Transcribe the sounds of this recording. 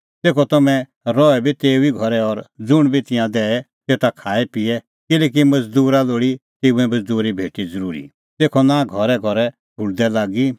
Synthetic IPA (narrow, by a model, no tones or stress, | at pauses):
t̪eːkʰɔt̪ɐmɛ̃ | ɾɔɛbʱit̪eːuiɡʱɔɾɛɔɾd͡zʊɽ̃bʱit̪ɪjãd̪ɛːɛ | t̪eːt̪akʰaːɛpɪɛ | kɪleːk̬imɐd͡zd̪uːɾaloːɽit̪eːuɛ̃mɐd͡zd̪uːɾibʱeːʈid͡zəɾuːɾḭ | t̪eːkʰɔnãːɡʱɔɾɛɡʱɔɾɛ | bʱʊɭd̪ɛlaːɡi